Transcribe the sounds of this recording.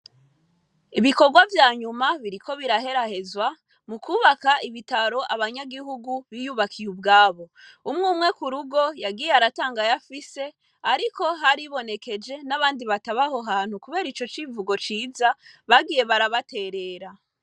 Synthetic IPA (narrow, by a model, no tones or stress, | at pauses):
iβiko̞ɾɡwavjaːɲumaβiɾiko̞βiɾaɦe̞ɾahe̞zwa | mukuːβakaʔiβitaɾo̞ʔaβaɲaɡihuɡuβijuβakʰijubɡaːβo̞umŋuːmŋe̞kuɾuɡo̞jaɡiːjeaɾataːŋɡajafise̞ | aɾiko̞ɦaɾiβo̞ne̞ke̞d͡ʒe̞naβaːndiβataβaho̞ɦaːn̥hukuβe̞ːɾit͡ʃo̞t͡ʃivuɡo̞t͡ʃiːzaβaɡiːje̞βaɾaβate̞ːɾe̞ːɾa